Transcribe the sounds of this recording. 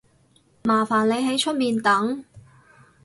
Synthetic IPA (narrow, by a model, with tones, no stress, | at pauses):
maː˨˩faː˨˩nle˨˧jɦe˨˥jt͡ʃʰɵ˥t̚miː˨˧nt̪ɐ˨˥ŋ